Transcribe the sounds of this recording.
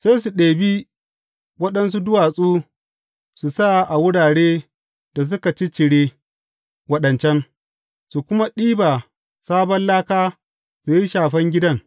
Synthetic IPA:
se˦js̬u˨ɗeː˨bi˦ | wɐ˦ɗɐ˦ns̬u˦dʊ˦waː˨sʼuː˦ | su˨sa˦ʔa˨wʊ˦ɽaː˨ɽeː˦ | d̥a˨s̬ʊ˦ka˨t͡ʃi˦t͡ʃɪ˨ɽeː˦ | wɐ˦ɗɐ˨nt͡ʃɛ˦n | su˨kʷʊ˦ma˦ɗiː˦ba˨ | saː˦bɐ˦nlaː˦kaː˦ | su˨ji˦ʃaː˨ɸɐ˦ŋɡʲɪ˦dɐ˦ŋ

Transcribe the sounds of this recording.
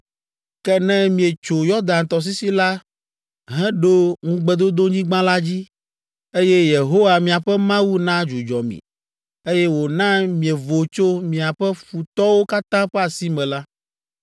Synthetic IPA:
kɛ˦nɛ̃˦mĩ˨e˨t͡ʃo˨jɔ˦ɾd̪ã˨nt̪ɔ˨s̬i˦si˦la˦ | ɦɛ̃˦ɖo˦ŋũ˦ɡ͡bɛ˨d̪o˦d̪o˦ɲĩ˦ɡ͡bã˦la˦d͡ʑi˦ | e˦jɛ˦je˨ɦo˦wa˨mĩ˨a˨ɸɛ˦mã˦wu˦nã˦d͡ʒu˨d͡ʒɔ˨mḭ̃˨ | e˦jɛ˦wo˨nã˦mĩ˨e˨vo˨t͡ʃo˦mĩ˨a˨ɸɛ˦ɸu˨t̪ɔ˦wo˦ka˦t̪ã˦ɸɛ˦a˨si˦mɛ̃˨la˦

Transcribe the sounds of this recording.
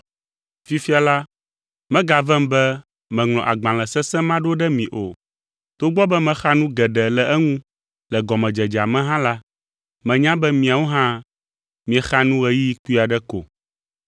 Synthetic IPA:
fi˦fi˦a˨la˦ | mɛ̃˦ɡa˨vɛ˦mbɛ˦ | mɛ̃˨ŋl̃ɔ̃˨ʔa˨ɡ͡bã˨l̃ɛ̃˨sɛ˦sɛ̃˦mã˦ɖo˦ɖɛ˦mĩ˨ʔo˨ | t̪o˦ɡ͡bɔ˦bɛ˦mɛ̃˨xa˦nũ˦ɡɛ˨ɖɛ˨lɛ˨ʔɛ˦ŋũ˦ | lɛ˨ɡɔ˨mɛ̃˨d͡ʒɛ˨d͡ʒa˨mɛ̃˦ɦã˦la˦ | mɛ̃˨ɲã˦bɛ˦mĩ˨a˨wo˦ɦã˦ | mĩ˨ɛ˨xa˦nũ˦ɣɛ˨ji˦ji˦ku˦i˦a˨ɖɛ˦ko̰˨

